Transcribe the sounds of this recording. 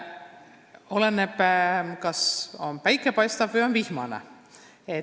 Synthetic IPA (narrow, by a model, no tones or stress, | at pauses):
o̞lenːepkɑsonpæjkːˑepɑjst̪ɑvvɯjo̞nvihmɑnḛ | e